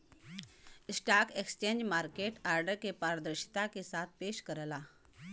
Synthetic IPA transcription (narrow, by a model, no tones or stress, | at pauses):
sʈakekst͡ɕend͡ʑmaɾkeʈaɾɖəɾkepaɾəd̪əɾɕi̥t̪akesat̪̚peɕkəɾla